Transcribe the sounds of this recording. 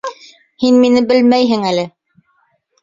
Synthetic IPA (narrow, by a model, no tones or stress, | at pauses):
hinminɘbɘlmæjɦɘŋælɘ